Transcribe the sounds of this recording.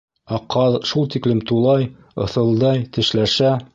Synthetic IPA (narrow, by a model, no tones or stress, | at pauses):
æqɑðʃulˠt̪iklɘmt̪ulˠɑj | ŏ̰θɤ̆lˠd̪ɑjt̪ɘ̆ʃlæʃæ